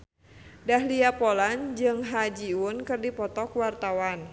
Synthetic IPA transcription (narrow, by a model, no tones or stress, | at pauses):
daɦliapɔland͡ʒɨŋɦad͡ʒiʊnkɨrdipɔt̪ɔkwart̪awan